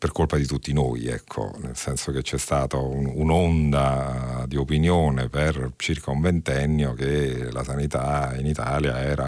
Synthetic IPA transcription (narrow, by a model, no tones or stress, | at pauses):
perkolpad̪it̪ut̪ːinojɛ̰kʰːo̰nḛlsɛnsok̟et͡ʃːɛst̪aːt̪aununond̪ad̪iopinjoːnepert͡ʃirkauɱvent̪ɛnːjok̟ela̰sanit̪ainit̪aːljaɛːɾa